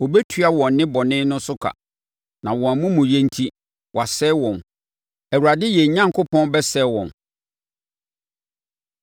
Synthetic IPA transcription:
ɔ˨bɛ˦tʰɥa˦wɔ̃˨nː˦ɪ̃˦bɔ˨nɪ̃˦nʊ̃˦sʊ˦kʰa̰˨ | nã˨wɔ̃˨a˨mʊ̃˦mũ˨jɛ̃˦n˦tʰi˦ | wa˨sɛ˦wɔ̃˨n | ɛ˨wu˨ɾa˨dɪ˦jɛ˨ɲã˦ŋkʰʊ˦pʰɔ̃˦n˦bɛ˦sɛ˦wɔ̰̃˨n

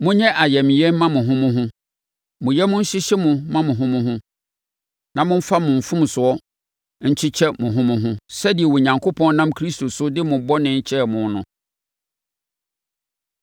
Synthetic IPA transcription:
mʊ̃˦ɲɛ̃˦ʔa˨jɛ˨mɪ̃˨jɛ˦mã˦mʊ̃˨ɦʊ̃˦mʊ̃˦ɦʊ̃˦ | mʊ̃˨jɛ˦mʊ̃˦ɲ̩˦ɕɪ˦ɕɪ˦mʊ̃˨mã˦mʊ̃˨ɦʊ̃˦mʊ̃˦ɦʊ̃˦ | nã˨mʊ̃˦m̩˦fa˦mʊ̃˨ɱ̩˨fʊ̃˦m˨sʊ˨ɔ˦ | ɲ̩˦t͡ɕʰɪ˦t͡ɕʰɛ˦mʊ̃˨ɦʊ̃˦mʊ̃˦ɦʊ̃˦sɛ˦di˨ɛ˨wo˨ɲã˨ŋkʰo˦pʰɔ̃˦n˦nã˦mkʰɾi˦stʰo˨sʊ˦dɪ˦mʊ̃˨bɔ˦nɪ̃˦t͡ɕʰɛ˦˨mʊ̃˨n˦nʊ̃˦

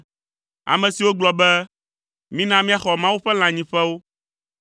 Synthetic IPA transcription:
a̰˨mɛ̃˨si˨wo˦ɡ͡blɔ˨bɛ˦ | mĩ˦nã˦mĩ˦a˨xɔ˨mã˦wu˦ɸɛ˦l̃ã˨ɲĩ˨ɸɛ˦wo˦

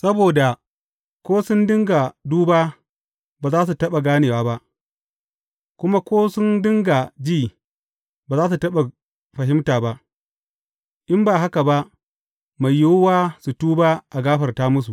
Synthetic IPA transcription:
sɐ˦boː˨da˨ | kʷoː˦sʊ˦ndɪ˦ŋɡa˨duː˦baː˦ | baː˨zaː˦s̬u˨tɐ˦ɓa˨ɡaː˦neː˨waː˦ba˦ʔ | kʷʊ˦ma˦kʷoː˦sʊ˦ndɪ˦ŋɡa˨d͡ʒiː˦˨ | baː˨zaː˦s̬u˨tɐ˦ɓa˨ | ɸɐ˨ɦɪ˦mtaː˨ba˦ʔ | ʔɪ˦mbaː˨ɦa˦ka˨ba˦ʔ | ma˨jːʊ˦wwaː˦su˨tuː˦baː˦ʔa˨ɡaː˦ɸɐ˨rtaː˦mʊ˦s̬u˨ʔ

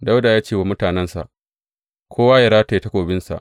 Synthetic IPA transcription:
da˦wda˨jaː˦t͡ʃeː˦˨wa˨mʊ˦taː˨nɛ˦nsa̰˨ʔ | kʷʰoː˦waː˦jɐ˨ɾaː˦ta˨ta˦kʷoː˨bɪ˦nsa̰˨ʔ

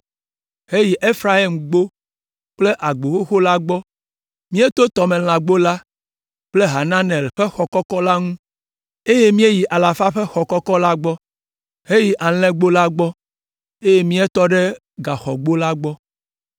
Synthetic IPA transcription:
ɦe˦ji˨ʔe˦fɾa˦ɦi˦mɡ͡bo˦ | k͡ple˦ʔa˨ɡ͡bo˨xo˦xo˦la˦ɡ͡bɔ˦ | mĩ˦e˦t̪o˦t̪ɔ˨mẽ˨l̃ã˨ɡ͡bo˦la˦ | k͡ple˦ɦa˨nã˦nɛ˨lɸe˦xɔ˨kɔ˦kɔ˦la˦ŋũ˦ | e˦je˦mĩ˦e˦ji˨ʔa˨la˨fa˦ɸe˦xɔ˨kɔ˦kɔ˦la˦ɡ͡bɔ˦ | he˦ji˨ʔa˨l̃ɛ̃˦ɡ͡bo˦la˦ɡ͡bɔ˦ | e˦je˦mĩ˦e˦t̪ɔ˦ɖe˦ | ɡa˨xɔ̰˨ɡ͡bo˦la˦ɡ͡bɔ˦

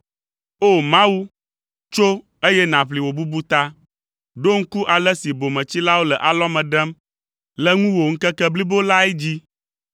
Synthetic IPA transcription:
o˦˨mã˦wu˦ | t͡ʃo˦ | e˦jɛ˦nã˨ɸli˨wo˨bu˦bu˦t̪a˦ | ɖo˦ŋ̩˦ku˦ʔa˨lɛ˦si˨bo˨mɛ̃˨t͡ɕi˦la˦wo˦lɛ˨ʔa˨lɔ˦mɛ̃˨ɖɛ˦m | lɛ˨˦ŋũ˦wo˨ŋ̩˦kɛ˦kɛ˦bli˦bo˦la˦ɛ˦d͡ʑi˦

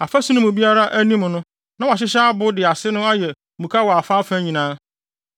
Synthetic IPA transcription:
a˨fa˦sũ˦nʊ̃˦mʊ̃˨bi˦a˦ɾa˦ʔæ˦nĩ˦m̃˨nʊ̃˦ | nã˦wa˨ɕ̬ɪ˦ɕa˦a˦bʊ˦dɪ˨a˨sɪ˦nʊ̃˦a˦jɛ˨mũ˨kʰa˦wɔ˨a˨fa˦fæ̃˦ɲĩ˨nãː˦

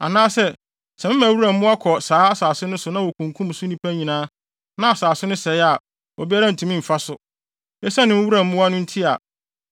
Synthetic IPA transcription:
a̰˨nãː˦sɛ˦ | sɛ˨mɪ̃˦mæ̃˨wu˦ɾa˨m̩˦mʊ̃˦a˦kʰɔ˨saː˨˦a˦saː˨sʊ˦nʊ̃˦sʊ˦nã˦wɔ˨kʰũ˨ŋkʰũ˦m˨sʊ˦nĩ˦pʰæ˦ɲĩ˨nãː˦ | nã˦a˨saː˨sʊ˦nʊ̃˦sɛ˨ɪ˦a˨ | ɔ˨bi˦a˦ɾã˦n̩˨tʰũ˨˦mĩ˦˨m̩˨fa˦sʊ˨ | ɛ˦sã˦nɪ̃˦m˦wu˦ɾã˨m̩˦mʊ̃˦wa˦nʊ̃˦n̩˦tʰi˦a˨

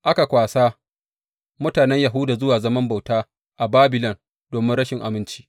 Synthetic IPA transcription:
ʔa˦ka˨kʷaː˨saː˦ | mʊ˦taː˨nɛ˦ɲja˨ɦʊ˦daː˨zʊ˦waː˨zɐ˦mɐ˦mba˨wtaː˦ | ʔa˨baː˦bɪ˨lɔ˨n | d̥oː˨mɪ˦nɽɐ˦ʃɪ˨ŋʔa̰˨mɪ˦nt͡ʃi̥ː˦

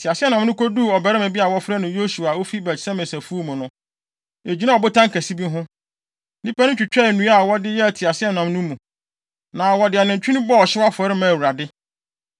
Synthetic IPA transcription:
tʰɪ˨a˨sɪ˦ɛ˦nã˨m˦nʊ̃˦ko˦duː˦˨ɔ˨bɛ˨ɾɛ˦mɛ̃˨bi˦a˨wɔ˦fɾɛ˦nʊ̃˨jo˦su˨a˨wo˦fi˦bɛ˨tsɛ˦mẽ˨sæ˨fu˦o˦mũ˨nʊ̃˦ | e˨d͡ʑᶣi˦nã˦˨ɔ˨bʊ˦tʰã˦ŋkʰæ˨si˦bi˦ɦʊ̃˦ | nĩ˦pa˦nʊ̃˦t͡ɕᶣi˨t͡ɕᶣɛ˦˨nũ˦a˨wɔ˦dɪ˦jɛ˦˨tʰi˨a˨sɪ˦ɛ˦nã˨m˦nʊ̃˦mũ˨ | nãː˨wɔ˨dɪ˨a˨nɪ̃˨ɲ˨t͡ɕᶣi˦nʊ̃˦bɔ˦ɔ˨ɕɪ˦a˦fʊ˨ɛ˨˦ɾɪ˦mã˨wu˨ɾa˨dɪ˦

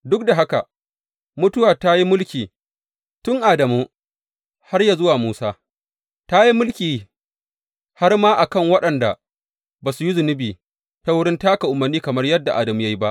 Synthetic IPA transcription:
dʊ˦k̚da˨ɦa˦ka˨ | mʊ˦tʊ˦waː˨ta˦ji˦mʊ˦lkʲiː˨ | tʊ˦ŋʔaː˨dɐ˨muː˦ | ha˦rja˨zʊ˦waː˨muː˦saː˦ | ta˦ji˦mʊ˦lkʲiː˨ | ha˦rmaː˦ʔa˨kɐ˦˨ŋwɐ˦ɗɐ˨nda˨ | baː˨su˨ji˦zʊ˨nɪ˦biː˨ | ta˦wʊ˦ɽɪ˦ntaː˦ka˨ʔʊ˨mːɐ˨rniː˦kɐ˨mɐ˦rjɐ˦dːa˨ʔa̰˨dɐ˨mu˦ja˦ji˦ba˦ʔ

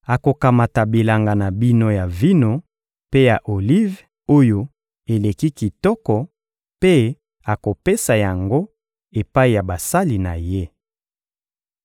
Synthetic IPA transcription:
a˨ko˨ka˨ma˨ta˨bi˨la˨ŋɡa˨na˨bi˦no˦ja˨vi˦no˦ | pe˦ja˨ʔo˨li˦v | o˦jo˦ | e˨le˨ki˦ki˨tɔ˦kɔ˨ | pe˦ | a˨ko˨pe˦sa˨ja˨ŋɡo˦ | e˨pa˦i˨ja˨ba˨sa˦li˨na˨je˦

